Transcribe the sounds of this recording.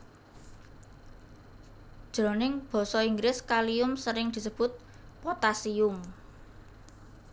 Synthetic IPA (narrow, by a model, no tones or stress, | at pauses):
d̥ʒ̥ɾɔ̤nɪŋb̥ɔ̤sɔiŋɡɾɪskaliʊmsəɾɪŋd̪̥i̤səb̥ʊ̤t̪̚ | pɔt̪asiʊm